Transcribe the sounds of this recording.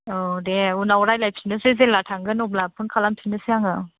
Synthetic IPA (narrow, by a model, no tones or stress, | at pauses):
ɔdeunawɾajlajpʰinɯsɯzelatʰaŋɡɯnɔb̚lapʰɯnkʰalamtʰinɯsɯjaŋɯ